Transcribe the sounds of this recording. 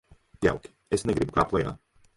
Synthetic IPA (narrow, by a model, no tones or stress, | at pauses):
d̪ja̰lˠki̥ɛsnɛɡɾipka̰plˠɛja̰